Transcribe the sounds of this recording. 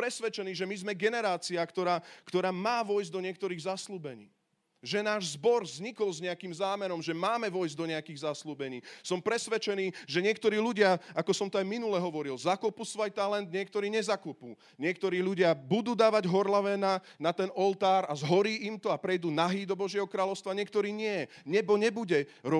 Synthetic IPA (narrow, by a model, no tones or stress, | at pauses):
pɾɛsʋɛt͡ʃɛniːʒɛmizmɛɡɛnɛɾaːt͡siakt̪ɔɾaːkt̪ɔɾaːmaːʋɔjzd̪ɔɲɪɛk̚t̪ɔɾiːɣzasluːbɛɲḭː | ʒɛnaːʒzbɔɾzɲikɔlzɲɛakiːmzaːmɛɾɔmʒɛmaːmɛʋɔjzd̪ɔɲɛakiːɣzasluːbɛɲiːsɔmpɾɛsʋɛt͡ʃɛniːʒɛɲɪɛkt̪ɔɾiːʎuɟɪaakɔsɔmt̪ɔajminulɛɦɔʋɔɾilzakupusʋɔjt̪alɛnd̪ɲɪɛk̚t̪ɔɾiːɲɛzakupuː | ɲɪɛk̚t̪ɔɾiːʎuɟɪabud̪uːd̪aːʋaɟɦɔɾlaʋɛnanat̪ɛnɔlt̪aːɾazɦɔɾiːʔimt̪ɔapɾɛjd̪uːnaɦiːd̪ɔbɔʒɪɛɦɔkɾaːlɔʊst̪ʋaɲɪɛk̚t̪ɔɾiːɲɪɛ | ɲɛbɔɲɛbuɟɛɾɔ